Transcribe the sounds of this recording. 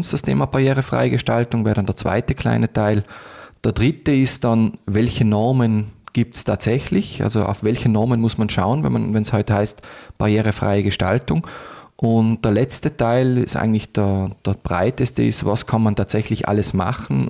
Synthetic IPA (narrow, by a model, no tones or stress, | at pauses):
nsd̥astʰḛːmab̥aʁjeːʁəfʁ̥a̰ɪəɡəʃtaltʊŋvɛːdɑnd̥eːɐt͡sv̥a̰ɪtəkʰl̥a̰ɪnətʰaɪld̥eːɐd̥ʁɪtəɪst̚d̥anvɛlçənɔɐmənɡ̥iːp̚tstʰaːtsɛçlɪçʔa̰lzoʔa̰ʊfvɛlçənɔɐmənmʊsmanʃaʊənvɛ̰nma̰nvɛnshɔʏtəhaɪstb̥aʁjeːʁəfʁ̥a̰ɪəɡəʃta̰ltʊŋʔʊnt̚d̥eːɐlɛt͡stətʰaɪlɪstʔa̰ɪɡŋ̩tlɪçd̥eɐd̥ɛɐb̥ʁa̰ɪtəstəɪ̰stva̰skʰanmantʰaːtsɛçlɪçʔa̰ləsma̰χn̩